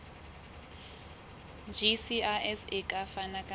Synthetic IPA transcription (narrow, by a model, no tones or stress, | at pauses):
d͡ʒʱisiaɛsekʼafanakʼa